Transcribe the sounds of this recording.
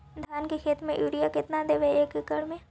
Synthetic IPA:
d̪ʱjaːnkekʰeːt̪mẽjuːɽijakɪt̪nad̪eːʋeeːkkəɽmẽː

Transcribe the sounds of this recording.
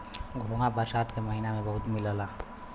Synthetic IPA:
ɡʱoŋabəɾsaːt̪keməɦinamẽbəɦʊt̪miləla

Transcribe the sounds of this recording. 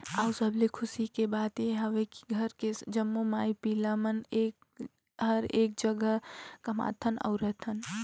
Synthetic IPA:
aːsəblekʰʊsikebaːd̪eɦɐʋeki̥ɡʱɐɾked͡ʒəmːomaːipiːlaməneːk | ɦɐɾeːk̚d͡ʒəɡəɦkɐma̰ːt̪ʰənɔ̰ʊɾɛt̪ʰən

